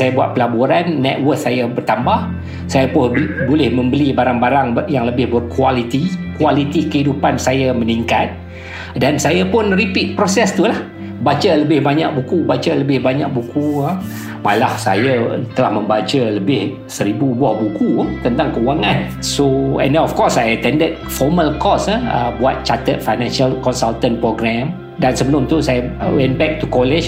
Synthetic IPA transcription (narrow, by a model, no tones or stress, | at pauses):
sajabuat̪̚pəlabuɾanːɛ̰t̪̚wərk̚sajabərt̪ambah | sajapʊbolɪhmə̃mbəlibaɾaŋbaɾaŋjaŋləbɪhbərkwalit̪ikualit̪ikəhidupansajaməniŋkat̪̚ | dansajapʊnripit̪̚pɾosɛst̪ulah | bat͡ʃələbɪhbaɲa̰k̚bukubat͡ʃaləbɪhbaɲa̰k̚bukuə | malahsa̰jat̪əlahmə̃mbat͡ʃələbɪh | səɾibuːbɔhbukut̪ənt̪aŋkəuwaŋãn | soɛ̰̃ndɛnɔfkɔsajət̪ɛndət̪̚fɔməlkɔsaə̰bua̰t̪̚t͡ʃat̪ət̪̚fajnãnʃalkɔnsalt̪ənpɾoɡɾɛm | dansəbəlʊmt̪usajawɛ̃nbɛk̚t̪ukɔlɛd͡ʒ